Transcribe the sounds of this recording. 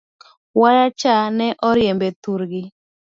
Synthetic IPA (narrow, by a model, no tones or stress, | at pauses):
waɾat͡ʃanɛʔɔɾjɛmbet̪uɾɡɪ